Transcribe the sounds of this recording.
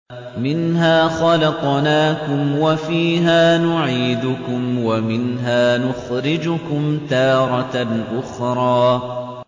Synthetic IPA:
mɪnɦaːxɑlɑt̪ˤnaːkʊmwafiːɦaːnʊʕiːd̪ʊkʊmwamɪnɦaːnʊxɾɪd͡ʒʊkʊmt̪ɑːɾˤɑʔʊxɾˤɑː

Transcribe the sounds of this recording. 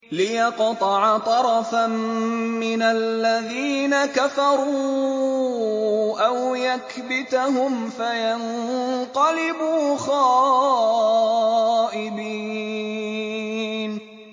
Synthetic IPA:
lɪjɑqt̪ˤɑʕt̪ˤɑɾˤɑfamːɪnalːaðiːnakafɑɾˤuː | ʔawjak | bɪt̪aɦʊmfajanqɑlɪbuːxɑː | ʔɪbiː | n

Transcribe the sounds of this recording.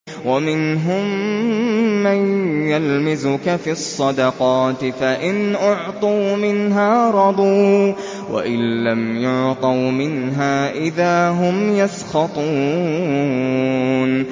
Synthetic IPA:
wamɪnɦʊmː | anjalmɪzʊkafiɑsˤːɑd̪ɑqɑːt̪ɪfaʔɪnʔʊʕt̪ˤuːmɪnɦaːɾˤɑd̪ˤuː | wʔa̰ʔɪnːamjʊʕt̪ˤɑwmɪnɦaːʔɪðaːɦʊmjasxɑt̪ˤuː | n

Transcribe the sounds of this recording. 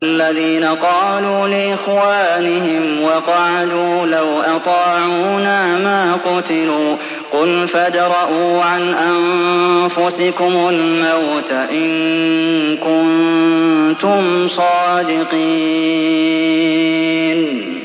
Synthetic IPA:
ʔalːaðiːnaqɑːluːlɪʔɪxwaːnɪhɪmwɑqɑʕad̪uːlawʔɑt̪ˤɑːʕuuːnaːmaːqʊt̪ɪluː | qʊlfad̪ɾˤɑʔuːʕanʔamfʊsɪkʊmalmawt̪aʔɪŋ | kʊn | t̪ʊmsˤɑːd̪ɪqiː | n

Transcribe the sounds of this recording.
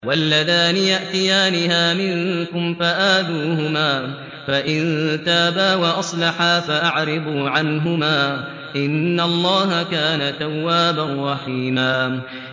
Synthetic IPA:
walːaðaːnɪjaʔt̪ɪjaːnɪhaːmɪŋkʊmfaʔaːd̪uːhʊmaː | faʔɪnt̪aːbaːwaʔɑsˤlɑħaːfaʔaʕɾɪbuːʕanɦʊmaː | ʔɪnːalˤːɑːɦakaːnat̪awːaːbanɾˤɑħiːmaː

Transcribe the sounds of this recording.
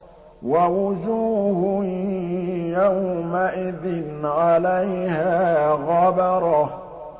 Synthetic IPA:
wawʊd͡ʒuːhʊ | jawmaʔɪðɪnʕalajhaːɣɑbɑɾˤɑ

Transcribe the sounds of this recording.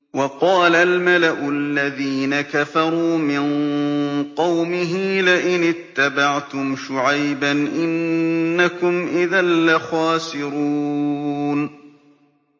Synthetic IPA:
wɑqɑːlalmalaʔʊalːaðiːnakafɑɾˤuːmɪn | qɑwmɪɦɪlɪʔɪnɪt̪ːabaʕt̪ʊmʃʊʕajbanʔɪnːakʊmʔɪðalːaxaːsɪɾuː | n

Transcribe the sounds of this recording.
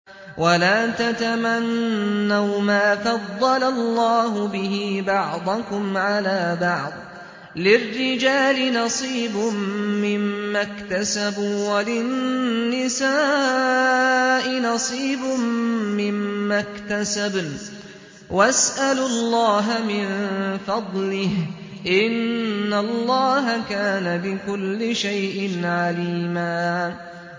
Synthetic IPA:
wʔalaːt̪at̪amanːawmaːfɑd̪ˤːɑlalˤːɑːɦʊbɪhiːbɑʕd̪ˤʊkʊmʕalaːbɑʕd̪ˤ | lɪrːɪd͡ʒaːlɪnɑsˤiːbʊmːɪmːakt̪asabuːwalɪnːɪsaː | ʔɪnɑsˤiːbʊmɪmːakt̪asab | wasʔalʊlːɑːɦamɪnfɑd̪ˤlɪh | ʔɪnːalˤːɑːɦakaːnabɪkʊlːɪʃajʔɪnʕaliːmaː

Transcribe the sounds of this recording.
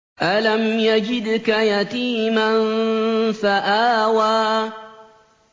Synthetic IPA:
ʔalamjad͡ʒɪd̪kajat̪iːmannfaʔaːwaː

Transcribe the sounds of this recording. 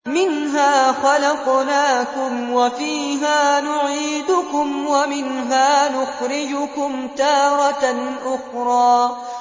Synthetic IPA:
mɪnɦaːxalɑqnaːkʊmwafiːɦaːnʊʕiːd̪ʊkʊmwamɪnɦaːnʊxɾɪd͡ʒʊkʊmt̪ɑːɾˤɑʔʊxɾˤɑː

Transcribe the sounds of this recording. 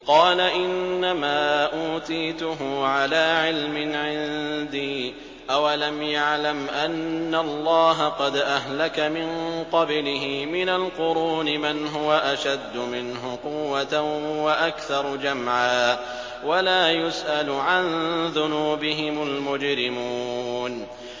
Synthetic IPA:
qɑːlaʔɪnnnːamaːʔuːt̪iːt̪ʊɦʊʕalaːʕɪlmɪʕɪnd̪iː | ʔawalamjaʕlamʔanːalˤːɑːɦaqɑd̪ʔaɦlakamɪnqɑblɪɦɪːmɪnalqʊɾuːnɪmanɦʊwaʔaʃad̪ːʊmɪnɦʊqʊwːat̪aʊwaʔakθɑɾˤd͡ʒamʕaː | walaːjʊsʔalʊʕanðʊnuːbɪɦɪmʊlmʊd͡ʒɾɪmuːn

